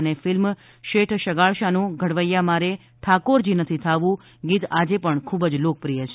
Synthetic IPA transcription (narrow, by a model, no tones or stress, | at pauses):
nefɪlm | ʃeʈʰʃəɡaɭʃanũɡʱəɽʋəjːamaɾe | ʈ̪ʰakoɾd͡ʒinət̪ʰit̪ʰaʋũ | ɡit̪ad͡ʒepəɳkʰubd͡ʒlok̚pɾijət͡ʃʰe